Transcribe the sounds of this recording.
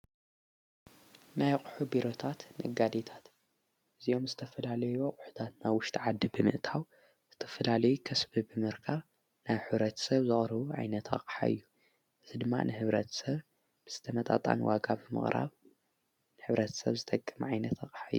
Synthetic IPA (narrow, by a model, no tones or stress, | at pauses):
najqʼu̥ħubiɾo̞t̪ʰat̪nɐ̰ɡad̪et̪ʰḁt̪ | ʔɨzio̞mzɨt̪ʰɐfɐlalɐjokʼʊħu̥t̪ʰat̪nawwʊʃt̪ʼʰiʕad̪ːibɨmɨ̰ʔt̪ʰaw | z̥ɨt̪ʰɐfɐlalɐjukʰɐsbɨbɨmɨɾkʰaβ | najħɨβɾɐt̪ʰsɐβzɨχʼɾɨβuʕa̰jnɐt̪ɐqʼħa̰ɨ̰jːu | ʔɨzid̪ɨmːa̰nʔɨhɨβɾɐt̪ʰsɐβ | b̥ɨz̥ɨt̪ʰɐmɐt̪ʼa̰t̪ʼa̰nwa̰ɡabɨmɨ̰χʼɾʔa̰β | nɨħɨβɾɐt̪ʰɐ̥sɐ̰βzɨt̪ʼɐkʼːɨmʕajnɐt̪ɐχʼħajːu